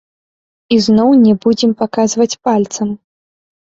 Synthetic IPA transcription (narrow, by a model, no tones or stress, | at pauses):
iznɔwnʲɛbud͡zʲɛmpakazvɐt͡sʲpalʲt̪sɐm